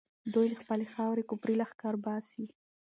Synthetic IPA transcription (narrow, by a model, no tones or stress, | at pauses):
d̪ujləxpəlexɑwɾekʊpɾilaxkɑɾbɑsi